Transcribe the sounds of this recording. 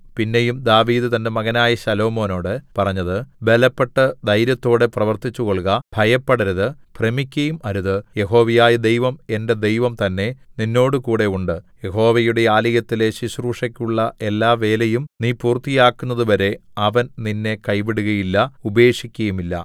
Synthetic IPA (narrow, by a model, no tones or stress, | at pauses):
pinːe̞jumd̪aːʋiːd̪ɨt̪ɐnde̞mɐɣɐnaːjɐɕɐlo̞ːmo̞ːno̞ːɽɨpɐrɐɲːɐðɨbe̞lɐpːe̞ʈːɐd̪ɐjɾjɐt̪ːo̞ːɽe̞prɐʋɐrt̪it͡ɕːukoɭkɐb̥ʱɐjɐpːɐɽɐɾɐðɨpremikʲːɐjumɐɾuðɨje̞ɦo̞ːʋijaːjɐd̪e̞jʋɐme̞nde̞d̪e̞jʋɐmt̪ɐnːe̞ninːo̞ːɽɨkuːɽe̞uɳɖɨje̞ɦo̞ːʋɐjuɽe̞aːlijɐt̪ːile̞ɕiɕruːʂɐkʲːuɭːɐʔe̞lːaːʋe̞ːlejumniːpuːrt̪ːijaːkːunːɐðɨʋɐɾe̞ɐʋɐnninːe̞kɐjpiɽuɣɐjilːɐubɐe̞ːʂikʲːɐjumilːɐ̰